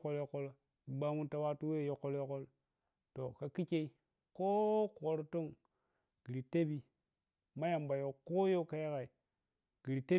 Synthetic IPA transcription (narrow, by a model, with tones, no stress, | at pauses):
ko˦ljo˦ko˦lo˦ | i˨ba˦mu˦nta˨wa˦tu˦we˦˨jo˨kːo˦ljo˦ko˦l | to˨ka˨ki˦t͡ʃe˦i˦ | ko˦kːɾo˦to˦˨ŋ | ɡ̥i˨ɾi˨te˦bi˦ | ma˦ja˨mba˨jo˨ko˦jo˦ka˦ja˦ka˨i˨ | ɡ̥i˨ɾi˨te˦